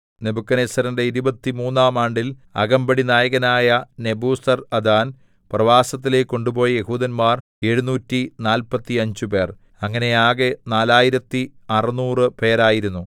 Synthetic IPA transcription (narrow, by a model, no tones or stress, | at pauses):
ne̞bukːɐneːsɐɾɐnde̞iɾubɐt̪ːimuːnːaːmaːɳɖilɐ̰ɣɐmbɐɽinaːjɐɣɐnaːjɐne̞buːsɐrɐd̪aːn | prɐʋaːsɐt̪̬ːile̞ːkːo̞ɳɖubo̞ːjje̞huːðɐnmaːr | e̞ɻunuːtːinaːlpɐt̪ːiɐɲd͡ʑupe̞ːr | ɐŋːɐne̞aːɣenaːlaːjiɾɐt̪ːiɐrɐnuːrɨpe̞ːɾaːjiɾunːu